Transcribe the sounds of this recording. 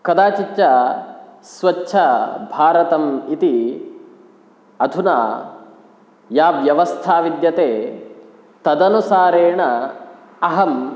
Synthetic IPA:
kɐd̪aːt͡ʃit̪jɐ | sʋɐt͡ʃːʃʰɐbʱaːɾɐt̪ɐmit̪i | ɐd̪ʱuna̰ː | jaːʋjɐʋɐst̪ʰaːʋid̪jɐt̪eː | t̪ɐd̪ɐnusaːɾeːɳɐ | ɐɦɐm

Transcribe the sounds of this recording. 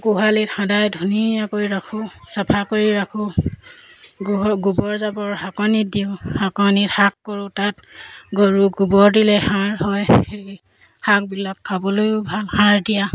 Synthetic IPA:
ɡuɦalithãdajdʱunijakoɹiɹakʰʊsapʰakoɹiɹakʰʊ | ɡɔɡubɔɹzabɔɹhakɔnit̚diʊhakɔnithakːɔɹʊtatɡoɹuɡubɔɹdilɛhãɹhɔjhei | hak̚bilakʰːabɔlojʊbʱalhãɹdija

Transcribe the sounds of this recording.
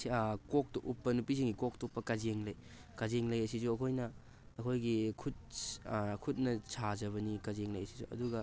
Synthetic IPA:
siakok̚tɐʔupːɐnupiziŋɡikok̚tɐupːɐkɐzeŋlɐj | kɐzeŋlɐjɐsizuɐkʰojnɐː | kʰojɡikʰut̚ | kʰut̚nɐsʰazɐβɐnikɐzeŋlɐjɐsi̥zṵɐ̰duɡɐ

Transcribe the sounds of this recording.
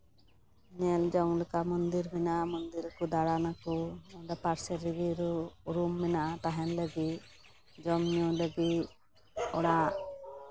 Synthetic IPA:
nɛld͡ʒɔŋləkamɔnd̪iɾmɛnaʔmɔnd̪iɾkud̪aɽanakuɔɖapaɾsɛɾiɡiɾuuɾumːɛnaʔat̪aɦɛnləɡi | d͡ʒɔmɲɔləɡi | ɔɽa

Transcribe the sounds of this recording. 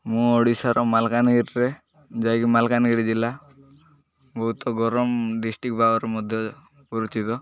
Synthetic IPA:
mũɔɽisaɾɔmalkanɡiɾːɛ | d͡ʒajɡimalkanɡiɾd͡ʒila | bɔɦut̪ɔɡɔɾɔmɖisʈik̚bʱabɔɾɛmɔd̪ʱjɔ | pɔɾit͡ʃit̪ɔ

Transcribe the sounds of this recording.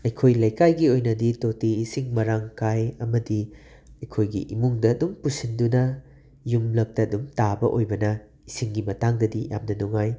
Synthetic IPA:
ɐjkʰojlɐjkajɡiojnɐditotiːsiŋmɐɾaŋkajɐmɐdi | ɐjkʰojɡḭʔimuŋdɐːdumpusindunɐ | jumlɐk̚tɐːdumtabɐʔojbɐnɐ | isiŋɡimɐtaŋdɐdija̰mnɐnuŋaj

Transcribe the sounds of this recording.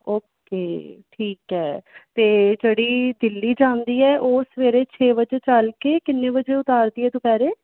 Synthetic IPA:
oːk | eːʈʰiːkɦɛːt̪eːd͡ʒeːɽiːd̪ɪlːiːd͡ʒãːnd̪iːɛːʔoːsʋeːɾeːt͡ʃʰeːbəd͡ʒt͡ʃəlkeːkɪnːẽːbəd͡ʒeːʊt̪aːɾd̪iːɛːt̪ũːpɛːɾeː

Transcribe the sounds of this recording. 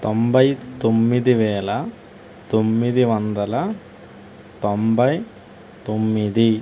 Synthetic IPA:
t̪ombɐjt̪omːid̪iʋeːlɐ | t̪omːiðiʋɐnd̪ɐlɐ | t̪ombɐj | t̪omːid̪i

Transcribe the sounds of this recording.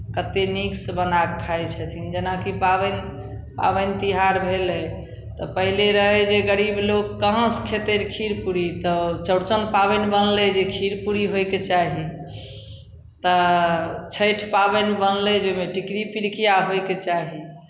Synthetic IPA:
kət̪eniksbənakʰajt͡ʃʰət̪ʰind͡ʒenakipabən | pa̰bənt̪iɦaɾbʱelɛ | t̪ɔpəɦileɾəɦɛd͡ʒeɡəɾiblokːəɦə̃skʰet̪eɾkʰiɾpuɾit̪ɔt͡ʃəɽt͡ʃənpabənbənled͡ʒekʰiɾpuɾiɦojket͡ʃaɦi | t̪ə | t͡ʃʰəjʈʰpabənbənlɛd͡ʒomeʈikɾipiɾkijaɦojket͡ʃaɦi

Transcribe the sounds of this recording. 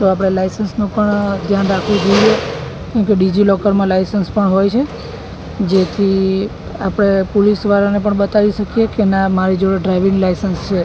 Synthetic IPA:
t̪oap̬ɽ̃elajsənsnũpəɳd̪ʱjanɾakʰʋũd͡ʒəie | kɛ̃keɖid͡ʒilɔkəɾmãlajsənspəɳɦojt͡ʃʰe | d͡ʒet̪ʰi | apəɽ̃epolisʋaɾanepəɳbət̪aʋiʃəkijekenamaɾid͡ʒɖɾajʋĩŋɡlajsənst͡ʃʰe

